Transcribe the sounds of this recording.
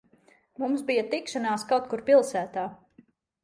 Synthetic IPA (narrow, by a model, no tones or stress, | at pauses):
mumsbijat̪ikʃanaːskawt̪̚kuɾpilˠsæːt̪aː